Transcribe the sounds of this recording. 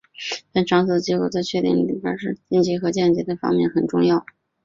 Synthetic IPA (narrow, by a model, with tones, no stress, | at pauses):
t̪a˥˩nʈ͡ʂʰwɑ˧˥ŋt͡s̩˥˩d̪ə˩t͡ɕji˧˥ko˥˩ʊt͡sa˥˧ɪt͡ɕʰɥɛ˥˧t̪i˥˩ŋli˨˧˩pja̰˥ʂɻ̩˥˧t͡ɕjɛ˥˩nt͡ɕjɛ˧˥xɤ˧˥t͡ɕjɛ˥˩nt͡ɕjɛ˧˥t̪ə˥˩fɑ̰˥ŋmjɛ˥˩nxə˨˩nʈ͡ʂʊ˥˧ŋjɑ˥˩ʊ